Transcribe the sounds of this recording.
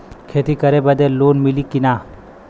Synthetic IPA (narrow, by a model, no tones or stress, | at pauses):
kʰeːt̪ikəɾebɐd̪eloːnmilikina